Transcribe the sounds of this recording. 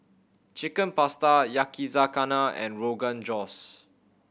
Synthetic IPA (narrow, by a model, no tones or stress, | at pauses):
t͡ʃikə̃npastajakizakanaɛ̰̃nɹoɡãnd͡ʒɔs